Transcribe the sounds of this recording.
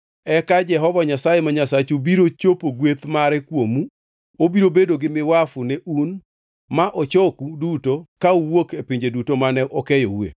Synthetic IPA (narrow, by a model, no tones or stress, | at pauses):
ɛkad͡ʒɛɦɔvaɲasajemaɲasat͡ʃubiɾot͡ʃopoɡwet̪maɾɛkwomu | obiɾobedoɡɪmɪwafuneʔun | maʔɔt͡ʃɔkudutokauwokepiɲd͡ʒedutomanɛʔɔkejo̰wḛ